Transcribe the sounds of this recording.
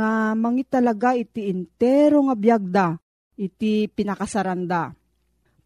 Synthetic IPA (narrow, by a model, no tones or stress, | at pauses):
amɐŋit̪ːɐlaɡaʔɪt̪iɪnt̪ɛɾoŋabjaɡ̚d̪a | ʔɪt̪ipɪnɐkasɐɾand̪a